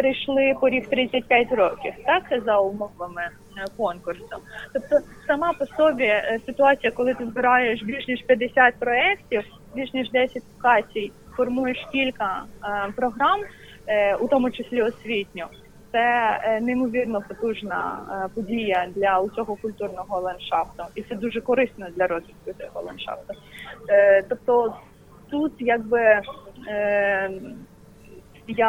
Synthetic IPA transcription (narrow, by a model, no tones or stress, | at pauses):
peɾɪjʃlˠɪpɔɾʲixt̪ɾɪt͡sʲːɐt̚ʲpʲjatʲɾɔkʲiwt̪ɑkzɐʊmɔʋɐmɪ | kɔnkʊrsɔt̪ɔp̚t̪ɔ | sɐmɑpɔsɔbʲisɪt̪ʊɑt͡sʲijɐkɔlˠɪt̪ɪzbɪɾɑjeʃbʲiʒnʲiʃpʲjɐd̪esʲat̚ʲpɾɔɛktʲiw | bʲiʒnʲiʒd̪ɛsʲɐtʲlˠɔkɑt͡sʲij | fɔrmujeʃkʲilʲkɐpɾɔɦɾɑm | ut̪ɔmʊt͡ʃɪsʲlʲiɔsʲʋʲitʲnʲʊ | t̪sɛneimɔʋʲirnɔpɔt̪uʒnɐ̰pɔdʲijɐd̪lʲɐʊt͡sʲɔɦɔkʊlʲt̪urnɔɦɔlˠɐnʃɑft̪ʊit̪sɛd̪uʒɛkɔɾɪst̪nɐd̪lʲɐɾɔzʲʋʲid̪̚kʊt̪ʲɔhɔlˠɐ̰nʃɑ̰ft̪ʊ | t̪ɔp̚t̪ɔ | t̪ut̪jaɡ̚bɪ | ja